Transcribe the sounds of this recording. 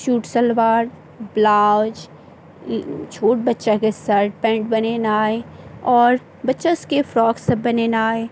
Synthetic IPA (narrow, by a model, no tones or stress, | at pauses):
ʃuːʈsɐlʋaːɾ | blaːd͡ʒ | t͡ʃʰoːʈ̚bɐtːʃakesɐɾʈ̚pɛ̃ːɳʈ̚bɐnenaːeɔːɾ | bɐtːʃaʊskefɾɔːksɐbɐnenaːe